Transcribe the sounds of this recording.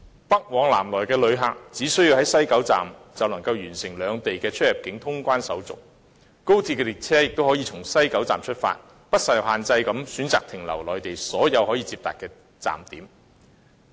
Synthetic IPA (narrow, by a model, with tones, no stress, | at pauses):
pɐ˥k̚wɔː˨˧˥ŋla̰ː˨˩mlɔː˨˩jkɛː˧lɵ˨˧ɥɦaː˨k̚t͡siː˨˥sɵ˥ɥjiː˧whɐ˨˥jsɐ˥jkɐ˨˥wt͡sa̰ː˨˩mt͡sɐ˨wnɐ˨˩ŋkɐ˧wjyː˨˩nsɪ˨˩ŋlœː˨˧ŋt̪e˨jkɛː˧t͡ʃʰɵ˥t̚jɐ˨˩p̚kɪ˨˥ŋt̪ʰʊ˥ŋkʷaː˥nsɐ˨˥wt͡sʊ̰˨k̚ | ko˥wt͡sʰiː˧tkɛː˧li˨˩k̚t͡sʰɛː˥jɪ˨k̚t̪o˥whɔː˨˥jiː˨˧t͡sʰʊ˨˩ŋsɐ˥jkɐ˨˥wt͡saː˨mt͡ʃʰɵ˥t̚fa̰ː˧t̚ | pɐ˥t̚sɐ˧jwhaː˨nt͡sɐ˧jkɐ˨˥msyː˨˥nt͡saː˨k̚t̪ʰɪ˨˩ŋlɐ̰˨˩wlɔː˨˩jt̪e˨jsɔː˨˥jɐ˨˧whɔː˨˥jiː˧t͡siː˧p̚t̪aː˨t̚kɛː˧ | t͡sa̰ː˨mt̪iː˨˥m